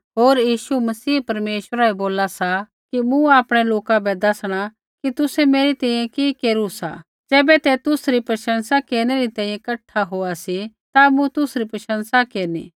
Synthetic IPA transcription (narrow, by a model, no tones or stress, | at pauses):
ɦoːɾjiːʃumɐsiːpɐɾmeːʃwəɾaɛboːlasa | kimũaːpɽ̃eloːkabɛd̪ɐsɽ̃a | kit̪ʊsɛmeːɾit̪ɛːĩjẽkiːkeːɾusa̰ | d͡ʒɛːbɛt̪et̪ʊsɾipɾɐʃə̃nsakeːɾñeɾit̪ɛ̃ːĩjẽkɐʈʰːaɦoːasit̪amũt̪ʊsɾipɾɐʃə̃nsakeːɾnḭː